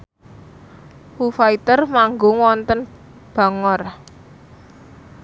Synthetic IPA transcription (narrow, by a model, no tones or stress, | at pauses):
hufait̪ərmaŋɡoŋwɔnt̪ən | b̥a̤ŋɔr